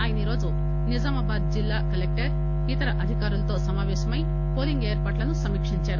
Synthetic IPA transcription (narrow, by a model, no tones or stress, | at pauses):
aːjɐniɾo̞ːd͡ʒu | nid͡ʒɐmɐbaːd̪̚d͡ʒilːaːkɐlek̚ʈɐɾ | it̪ɐɾɐʔɐd̪ʱikaːɾulɐt̪o̞ːsɐmaːʋɛːʃɐmɐj | po̞ːliŋɡeːɾpaːʈlɐnusɐmiːkʂiɲt͡ʃaːɾu